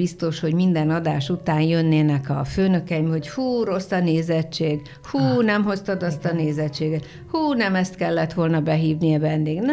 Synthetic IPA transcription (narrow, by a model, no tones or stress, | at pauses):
ist̪o̞ʃho̞ɟmind̪ɛnɒd̪aːʃut̪aːnjø̞nːeːnɛkɒføːnø̞kɛimho̞ɟfuːɾo̞sːɒneːzɛt͡ʃːeːɡ | huːnɛmɦo̞st̪ɒd̪ɒst̪ɒneːzɛt͡ʃːeːɡɛt̪ | huːnɛmɛst̪kɛlːɛt̪ʋo̞lnɒbɛɦiːvnijɛvɛnd̪eːɡn